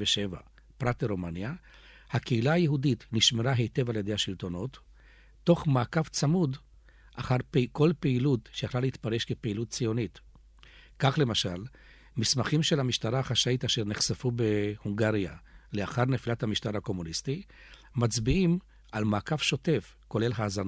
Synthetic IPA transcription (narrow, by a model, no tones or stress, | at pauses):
veʃeva̰ | pʁateʁomanja | hakeilaajeɦuditniʃmeʁaɦe̞jte̞valjed̪ehaʃilto̞no̞tː | o̞χmaːkaft͡samud | ʔaχaʁpko̞lpeilutʃejaχlaleit̪paʁe̞ʃkepeilut̚t͡sijo̞nit | kaχle̞maʃal | mismaχimʃe̞lhamiʃtaʁaːχaʃaitaʃeʁneχsafube̞huŋɡaʁija̰leaχaʁnefilathamiʃtaʁhako̞munisti | mat͡sbiim | ʔalmaːkavʃo̞te̞f | ko̞le̞lɦaːzan